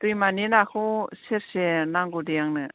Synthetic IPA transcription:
t̪ujmaninakuseɾsenaŋɡudijaŋnɯ

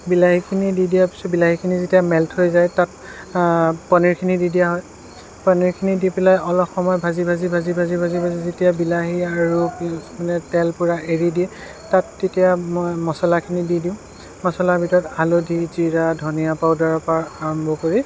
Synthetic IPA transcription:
bilaɦikʰinididijapi̥sɔbilaɦikʰinizetijamɛltʰhojzajtat̚ | pɔniɹkʰinididijaɦɔj | pɔniɹkʰinidipilajɔlɔpxɔmɔjbʱazibʱazibʱazibʱazibʱazibʱazizetijabilaɦiaɹumanɛtɛlpuɹaʔeɹidiɛ | tatːetijamɔjmɔsɔlakʰinididĩʊ̃ | mɔsɔlabʱitɔɹɔtalodʱiziɹadʱɔnijapaʊdaɹɔpaaɔmbʱɔkoɹi

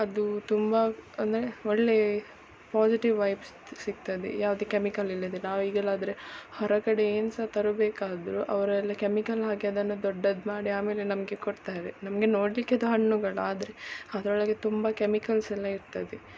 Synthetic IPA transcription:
ɐd̪ut̪umbɐɐnd̪ɐɾe̞ɔɭːe̞ | paːsiʈiʋːɐjps | siɡ̚t̪ɐd̪ḛjaːʋɐd̪ekemikɐlilːɐd̪enaːʋiːɡɐlaːd̪ɐɾe̞hɔɾɐkɐɽe̞eːnsɐt̪ɐɾubeːkaːd̪ɐɾuʔɐʋɐɾɛlːɐkɐmikɐlɦaːɡjaːd̪ɐnːud̪ɔɖːɐd̪maːɽiaːmeːle̞nɐmɐɡe̞koɽt̪aːjɾenɐmɐɡe̞noːɽlikːeɐd̪uɦɐɳːuɡɐɭuaːd̪ɐɾe̞ɐd̪ɐɾɔɭɐɡet̪umbɐkemikɐlsɛlːɐiɾt̪ɐd̪e

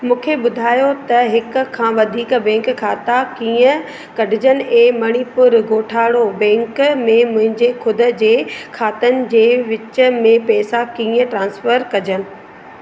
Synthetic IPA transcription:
mũːkʰeɓʊd̪ʱaːjot̪ɐɦɪkkʰːãːʋɐd̪ʱiːkbɛ̃ːŋkkʰːaːt̪akiːə̃ | kɐɖʱɪd͡ʑənɪ̆ẽːmɐɽ̃ipʊɾɡoːʈʰaːɽobɛ̃ːŋkmẽmʊ̃ɦɪ̃ɲd͡ʑekʰʊd̪ə̆d͡ʑeːkʰaːt̪ənɪ̆d͡ʑeːʋɪt͡ɕə̆mẽpɛːsakiːə̃ʈɾãːnsfəɾkɐd͡ʑənɪ̆

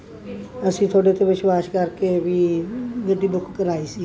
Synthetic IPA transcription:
əsĩːt̪ʰoːɽet̪ʰeʋɪʃwaːʃkəɾkebʱiːɡəɖiːbʊkkəɾaːiːsiː

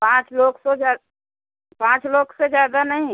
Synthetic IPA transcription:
pãːt͡ʃloːɡsed͡ʒaː | pãːt͡ʃloːɡsed͡ʒjaːd̪anɐɦĩ

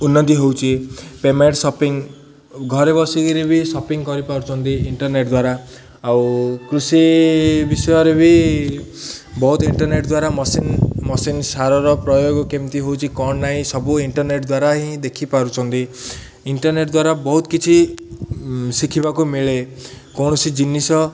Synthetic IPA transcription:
unːɔt̪̬iɦowt͡ʃʰipemeʈsɔpiŋ | ɡʱɔɾebɔsiɡiɾebʱisɔpiŋkɔɾipaɾut͡ʃʰɔnt̪iiɳʈɔɾneʈd̪waɾaː | wkɾusibisɔjɔɾebʱi | bɔɦut̪iɳʈɔɾneʈd̪waɾamɔsinmɔsinsaɾɔɾɔpɾɔjoɡɔkemt̪iɦowt͡ʃʰikɔɳnaĩsɔbuiɳʈɔɾneʈd̪waɾaɦĩd̪ekʰipaɾut͡ʃʰɔnt̪i | iɳʈɔɾneʈd̪waɾabɔɦut̪ɔ̥kit͡ʃʰi | sikʰibakumiɭekɔɳɔsid͡ʒinːisɔ

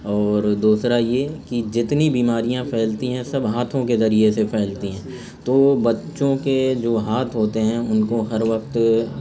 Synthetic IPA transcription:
ɔːɾd̪uːsɾajekid͡ʒɪt̪nibiːmaːɾijãpʰɛːlt̪iɦɛ̃sɐbɦaːt̪ʰõkezɐɾiesepʰɛːlt̪iɦɛ̃ː | t̪oːbɐtːʃõked͡ʒoːɦaːt̪ʰɦoːt̪eɦɛ̃ʊnkoɦɐɾʋɐqt̪

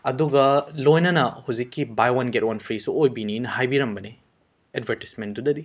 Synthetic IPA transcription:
ɐduɡɐlojnɐnɐhuwzikːibajwɐnɡetwɐnpʰɾisuojbininɐhajbiɾɐmbɐne | edbʱeɾti̥smen̚dudɐdi

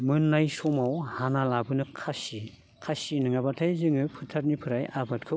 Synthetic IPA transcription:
mɯnːajsɔmawhanalabɯnɯkʰasi | kʰasinɯŋabatʰajzɯŋɯpʰɯtʰat̚nipʰɯɾajabat̚kʰɯ

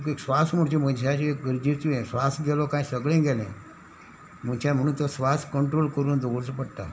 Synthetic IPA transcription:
keksʋasm̤əɽt͡ɕim̤ənɕaɕiekɡəɾd͡ʑiɾt̪uẽsʋasɡɛlɔkãjsəɡɭẽɡɛlḛ̃ | m̤ənt͡ɕam̤əɽ̃uːnt̪ɔsʋaskəɳʈɾolkəɾuːnd̪oɡoɽt͡spəɽt̪a̰

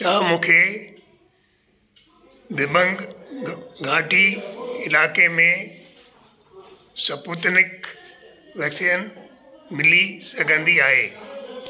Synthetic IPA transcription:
t͡ʃaːmũːkʰeː | d̪ɪbə̃ŋɡ | ɡʱãːʈʰiɪlaːkemẽ | sɐpuːt̪nɪk | ʋɛːksijən | mɪlisɐɡʱə̃nd̪iaːɦeː

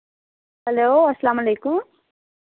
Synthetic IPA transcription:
hɐloːɐsːɐlaːmɐleːkʊm

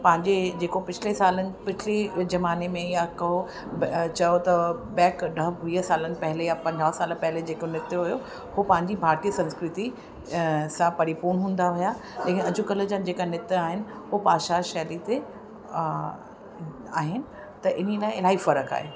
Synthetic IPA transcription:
pɐ̃ɦɪ̃ɲd͡ʑed͡ʑeːkopɪt͡ɕʰɪlesaːlənɪ̆pɪt͡ɕʰɪlezɐmaːnemẽjakɐo | t͡ɕɐjot̪ɐbɛːkɖɐɦʋiːəsaːlənɪ̆pɐɦɪlejapɐ̃ɲd͡ʑaːsaːləpɐɦɪled͡ʑeːkonɪt̪ɦʊjo | hupɐ̃ɦɪ̃ɲd͡ʑibʱaːɾt̪ijəsɐ̃nskɾɪt̪i | sãpɐɾipuːnɦũːn̆d̪aʋʊja | leːkɪnɪɐd͡ʑʊkɐlə̆d͡ʑãd͡ʑeːkanɪt̪aːɦɪnɪ̆ | ʊopaːʃaʃɛːlit̪e | aːɦɪnɪ̆ | t̪ɐʔɪn̤elaːɪ̃ɪlaːɦifɐɾəka̰ːɦeː

